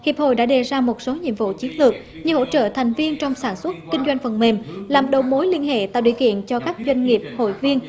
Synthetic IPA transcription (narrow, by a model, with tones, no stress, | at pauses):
hi˨˩əp̚ho̰˧˨jɗa̰ː˧˥ɗe˨˩zaː˧mo˨˩t̚so˨˦ɲḭ˧˨əmvṵ˧˨t͡ɕi˨˦ənlɨ˨˩ək̚ | ɲɨ˧ho̰˧˨t͡ɕə̰ː˧˨t̪ʰɛ˨˩jŋ̟vi˧ənt͡ɕɔ˧wŋ͡msaː˧˩nswə˦˥t̚kï˧ŋ̟zwa˧jŋ̟fə˨˩nme˨˩mlaː˨˩mɗə˨˩wmo˨˦jli˧ənɦḛ˧˨t̪a̰ː˧˨wɗḭ˧˨əkḭ˧˨ənt͡ɕɔ˧kaː˦˥k̚zwa˧jŋ̟ŋi˨˩əp̚ho̰˧˨jvi˧ən